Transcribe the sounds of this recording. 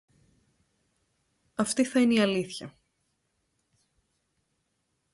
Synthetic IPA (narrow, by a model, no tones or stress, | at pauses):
ɐft̪iθɐineiɐliθçɐ